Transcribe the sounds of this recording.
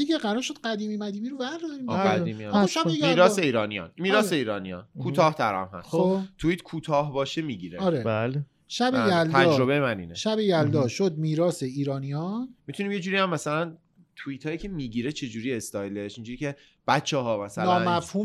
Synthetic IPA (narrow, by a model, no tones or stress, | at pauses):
jekʰeɢæɾɒɾʃod̪̚ɢæd̪iːmimæd̪iːmiɾovæɾd̪d̪ɒɾiːmæd̪iːmimlɔʃæbejmiːɾɒːseiːɾɒːnijɒ̰nmiːɾɒːeiːɾɒːnijɒ̰nkʰuːt̪ʰɒːht̪ʰæ̰ɾæ̰mhæ̰sxot̪ʰuiːt̪kʰuːt̪ʰɒːhbɒːʃemiɟiɾeɒɾeale | ʃæbejælt̪ʰæd͡ʒɾo̞βejemænḭːneʃæbejæld̪ɒʃod̪̚miːɾɒːseiːɾɒːnijɒnmit̪ʰuniːmjed͡ʒuːɾiæmːæsælæn | t̪ʰuit̪ʰhɒːjiːcʰe̞miːɟiːɾet͡ʃʰe̞d͡ʒuːɾiːest̪ɒːjleʃind͡ʒuːɾiːcʰe̞ | b̥ætt͡ʃʰːeɦɒːmæsænːnmæfhuːm